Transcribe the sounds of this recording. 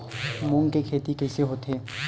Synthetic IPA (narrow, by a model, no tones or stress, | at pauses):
mʊŋkekʰeːt̪ikɛːseɦoːt̪eː